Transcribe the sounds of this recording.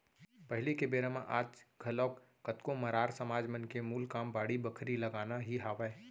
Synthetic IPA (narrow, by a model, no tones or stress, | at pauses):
pəɦlikebeːɾəmãʔaːd͡ʒɡʱɐlɔːk | kət̪kõmɐɾaːɾsəmaːd͡ʒmənkemuːlkaːmbaːɽibəkʰɾilɐɡaːnaɦiɦaːʋɛː